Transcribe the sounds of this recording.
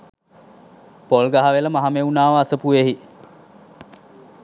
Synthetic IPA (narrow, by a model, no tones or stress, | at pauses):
polɡaɦaʋeləmaɦameunaːʋəasəpueɦi